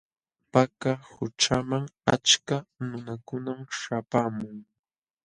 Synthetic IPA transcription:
pakahʊt͡ʃamaŋa̰t͡ʃkanʊnakʊnamʃapamʊŋ

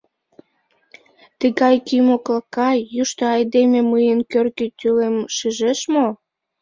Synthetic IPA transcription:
t̪əɣɑjkymoklɑkɑjːuʃt̪oɑjd̪ememɨjənkørkit̪ʲylemʃiʒeʃmo

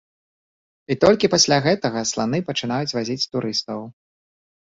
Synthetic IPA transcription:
it̪ɔlʲkʲipasʲlʲaɣɛt̪ɐɣɐslˠanɨpɐt͡ʂɨn̪ajut͡sʲvazʲit͡sʲt̪uɾɨst̪ɐw

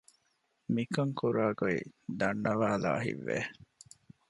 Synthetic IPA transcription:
mikɐŋkuɾaːɡoḭd̪ɐnːɐʋaːla̰ːɦḭʋːḛ

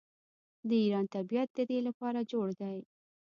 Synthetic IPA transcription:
d̪əiɾɑnt̪abijat̪̚d̪əd̪elapɑɾad͡ʒoɽd̪aj

